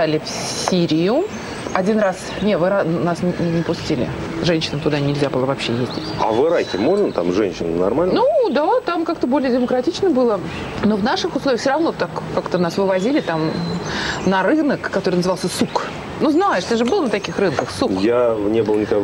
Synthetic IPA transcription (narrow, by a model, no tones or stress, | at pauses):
alʲɪf | sʲiɾʲɪjʊ | ɐdʲinras | nʲevɨɾanasnʲnʲɪpʊsʲtʲilʲɪ̰ | ʐɛnʲɕɪnəmt̪ʊd̪anʲɪlʲzʲabɨlˠəvɐpɕːejezʲdʲɪtʲɐ̰vɨɾakʲɪmo̞ʐnət̪a̰mʐɛnʲɕɪnənɐ̰rmalʲnnud̪at̪amkakt̪əbo̞lʲɪjədʲɪməkɾɐtʲit͡ɕnəbɨlˠə | no̞vnaʂɨxʊslˠoɪəxfsʲoɾɐvno̞t̪akːakt̪ənasvɨvɐzʲilʲɪt̪am | nɐɾɨnəkːɐt̪oɾɨjnəzɨvɑlˠsʲəsuk | nuznajɪʂt̪ɨʐɨbɨlˠənət̪ɐkʲixrɨnkəxsukjanʲebɨlˠnʲɪka